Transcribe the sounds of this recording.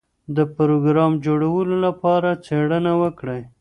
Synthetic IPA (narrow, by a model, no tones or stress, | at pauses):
d̪əpɾoɡɾɑmd͡ʒoɽawəlolapɑɾat͡seɽənawəkɽa